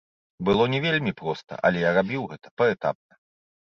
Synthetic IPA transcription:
bɨlˠɔnʲɛvʲelʲmʲipɾɔst̪ɐ̰ʔɐ̰lʲɛjarabʲiwɣɛt̪ʰɐ̥pɐɛt̪a̰p̚nɐ

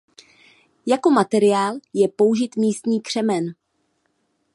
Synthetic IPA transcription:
jako̞mat̪ɛɾɪjaːljɛpo̞wʒɪt̪miːst̪ɲiːkr̥ɛmɛn

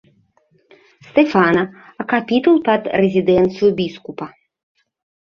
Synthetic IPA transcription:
st̪ɛfanɐɐkapʲit̪ulˠpɐd̪rɛzʲid̪ɛnt̪sɨjubʲiskupɐ

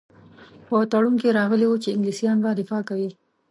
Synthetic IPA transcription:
pət̪aɽuŋkeɾɑɣəliwut͡ʃeɪŋɡlisijɑnbad̪ɪfɑkawi

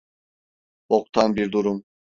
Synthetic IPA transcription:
ok̚t̪ʰanbiɾd̪uɾum

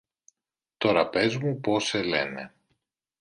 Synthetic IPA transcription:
t̪o̞ɾɐpe̞zmupo̞sele̞̰nḛ

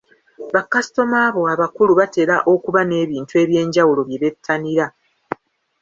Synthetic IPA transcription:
βakasi̥to̞maːβo̞aβakuluβate̞laʔo̞kuβane̞ːβiːntue̞ːβje̞ːɲɟawulo̞βje̞βe̞tʰːaniɾa

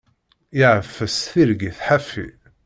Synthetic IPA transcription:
iʕəfːəsθiɾɡiθħafḭ

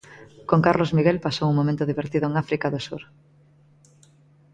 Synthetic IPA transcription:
koŋkaɾlozmiɣelpasowuŋmomẽnt̪ʊðiβeɾt̪iðʊeŋafɾikaðosuɾ

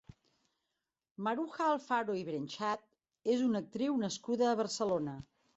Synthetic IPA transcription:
məɾuxaːlˠfaɾoiβɾenʲʃat̪̚ | ezunək̚t̪ɾiwnəskuðəːβərsəlonə

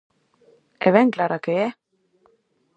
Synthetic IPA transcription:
ɛ̰vɛŋklaɾakeɛ

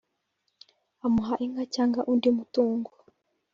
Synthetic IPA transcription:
amuɦaʔiŋɡacaːŋɡaʔundimutuːŋɡu

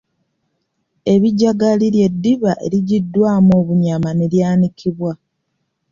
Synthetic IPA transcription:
e̞βiɟaɡalilje̞dːiβaʔe̞̰ɾiɟidːwaːmoːβuɲamane̞ljaːnikʰiβwa

